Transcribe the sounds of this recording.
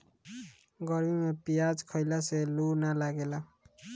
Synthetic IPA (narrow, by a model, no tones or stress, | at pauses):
ɡʌɾmimepijad͡zkʰʌjlaselunalaɡela